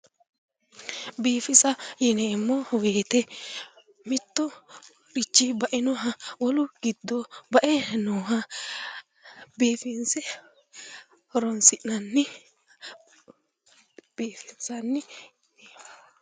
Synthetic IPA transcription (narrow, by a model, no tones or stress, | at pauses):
biːfɪsɐjɛneːɪmːɔweːt̪ɛ | mɪt̪ːɔ | ɾɪt͡ʃːibɐʔɪnɔɦɐwɔlʊɡ̥ɪd̪ːobɐʔɛnoːɦɐ | beːfɪnsɛ | hɔɾɔnsɪʔnɐnːɪ | b̥eːfɪnsɐnːɪ | eː